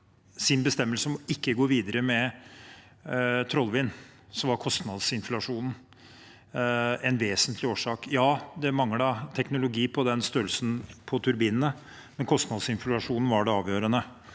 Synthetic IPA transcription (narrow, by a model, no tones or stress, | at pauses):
sɪnbəst̪ɛmːəlsəmɔɪkːəɡoːɾʋiːd̪əɾəmɛ | t̪ʰɾɔlːʋɪnːsɔmʋɑɾkʰɔst̪nɑd̪sɪnflɑʂuːnn̩ | ɛnʋeːsənt̪ʰlɪoːʂɑːkjɑːd̪ɛmɑŋːəɖɑt̪ʰɛknʊlʊɡiːpʰɔd̪ɛnst̪øɾəlsn̩pʰɔt̪ʰʉɾbiːnənə | mɛnkʰɔst̪nɑd̪sɪnflɑʂuːnn̩ʋɑɖɛɑːʋjøːɾənə